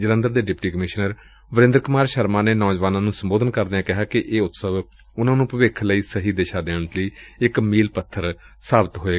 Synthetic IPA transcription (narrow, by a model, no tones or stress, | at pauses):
d͡ʒələ̃nd̪əɾd̪eːɖɪpʈiːkəmɪʃnəɾ | ʋəɾɪ̃nd̪əɾkʊmaːɾʃəɾmãːneːnɔːd͡ʒʋaːnãːnũːsəmboːd̪ənkəɾd̪eãːkɪɦaːkɪʔeːʊt̪səʋ | ʊnãːnũːpəʋeːkʰləiːsəɦiːd̪eːʃaːd̪eːɳ̃ət̪ləiːɪkmiːlpət̪ʰːəɾ | saːbɪt̪ɦoːeː